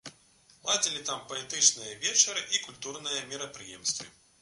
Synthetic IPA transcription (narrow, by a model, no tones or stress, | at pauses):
lˠad͡zʲilʲit̪ampɐɛt̪ɨt͡ʂnɨjɐvʲɛt͡ʂɐɾɨʔikulʲt̪urnɨjɐmʲiɾɐpɾɨjɛ̰mst̪vɨ̰